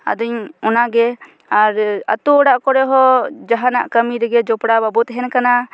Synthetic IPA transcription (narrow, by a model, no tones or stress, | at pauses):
a̰d̪uɲɔnaɡɛ | aɾə̰t̪uɔɽaʔkɔɾɛɦɔd͡ʒaɦanaʔkəmiɾɛɡɛd͡ʒɔpɽababut̪ɦɛnkana